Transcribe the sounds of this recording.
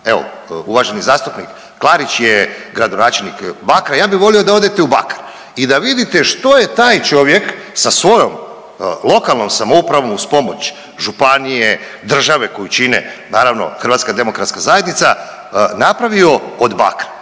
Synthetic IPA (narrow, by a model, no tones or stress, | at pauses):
eʋo̞̰ | uʋaʒenizaːst̪upnikːlˠaɾit͡ɕjeɡɾad̪onaːt͡ʃe̞lnikbakɾajaːbiʋo̞lio̞d̪ao̞d̪e̞t̪e̞uba̰kḁɾ | id̪aʋid̪it̪eʃt̪o̞je̞t̪aːjt͡ʃo̞ʋje̞ksasʋo̞jo̞m | lˠo̞kalˠno̞msamoupɾaʋo̞muspo̞mo̞t͡ɕ | ʒupanije | d̪r̩ʒaʋe̞ko̞jut͡ʃinḛnaːɾaʋno̞̰xɾrʋaːt̪skad̪e̞mo̞kɾat̪skazajed̪nit̪sa | napɾaʋio̞od̪ba̰kɾḁ